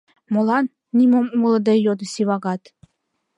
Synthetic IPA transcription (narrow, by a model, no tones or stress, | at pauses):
molˠɑnːʲimomuŋlˠɤ̆d̪ejod̪ɤ̆sʲiβɑɡɑt̪